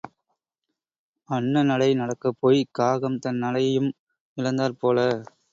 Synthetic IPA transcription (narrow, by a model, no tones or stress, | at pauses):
ɐɳːɐnɐlɐɪnɐɽɐkːɐpːoːjkaːɣɐmt̪ɐnːɐlɐjɐjɯm | ɪlɐnd̪aːɾpoːlɐ